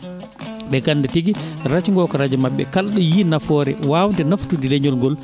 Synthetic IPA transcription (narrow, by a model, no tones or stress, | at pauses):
ɓɛɡandatiɡiɾat͡ʃŋɡɔkɔɾad͡ʒɛmaɓːɛ̰kalɗɔjinafɔːɾɛ̰waːwndɛnaftudilɛɲɔlŋɡɔl